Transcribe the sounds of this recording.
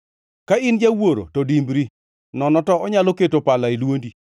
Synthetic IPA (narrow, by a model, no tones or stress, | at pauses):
kaɪnd͡ʒawoɾo̰tɔdimbɾi | nɔnɔtɔɔɲaloketopalailwondi